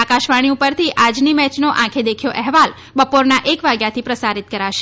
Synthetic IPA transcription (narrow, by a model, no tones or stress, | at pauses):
akaʃʋaɽ̃iupəɾt̪ʰiʔad͡ʒnimɛt͡ʃnoʔãkʰed̪ekʰjoʔɛɦʋal | bəpoɾnaʔekʋaɡjat̪ʰipɾəsaɾit̪̚kəɾaʃe